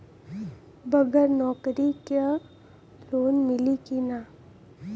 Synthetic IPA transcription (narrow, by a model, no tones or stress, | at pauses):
bəɡəɾnɔːkɾike | loːnmɪlikina